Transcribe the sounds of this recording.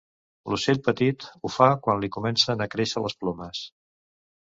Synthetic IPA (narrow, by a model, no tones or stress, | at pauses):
luseʎpət̪it̪ufakwanlikumɛnsənəkɾeʃələsplɔməs